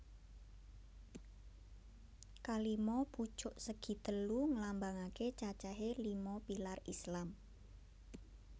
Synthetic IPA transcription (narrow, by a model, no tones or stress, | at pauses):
kalimɔb̥u̥t͡ʃʊʔsəɡ̥i̤t̪əluŋəlambaŋaket͡ʃat͡ʃɛɦelimɔpilarislam